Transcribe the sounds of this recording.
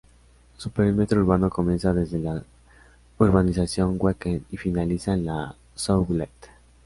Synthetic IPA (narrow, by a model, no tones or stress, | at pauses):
supeɾjoɾmet̪ɾouɾβano̞ko̞mje̞nsaðe̞zðe̞la | uɾβanisasjo̞ŋɡwekenifinalisanla | sowɡlet̪